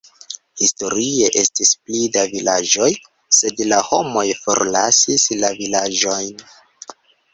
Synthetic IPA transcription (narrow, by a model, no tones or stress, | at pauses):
histo̞ɾie̞ʔe̞stisplidavilad͡ʒo̞j | se̞dlaho̞mo̞jfo̞̰ɾlasislavilad͡ʒo̞jn